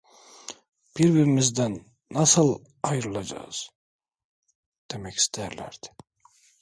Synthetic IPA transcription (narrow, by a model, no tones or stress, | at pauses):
b̥iɾbɪɾɪmɪzd̪ænː | ɑsɯlˠ | ɑjɾɯlˠɑd͡ʒɑ̰z̥ | d̪̥emekʲi̥st̪ʰæɾlæ̰ɾd̪̥ɪ̥